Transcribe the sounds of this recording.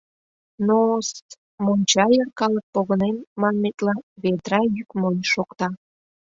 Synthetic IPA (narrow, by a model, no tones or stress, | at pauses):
nos | monʲt͡ɕɑjərkɑlək̚poɣənenmɑnmet̪lɑβed̪ɾɑjykmonʲʃokt̪ɑ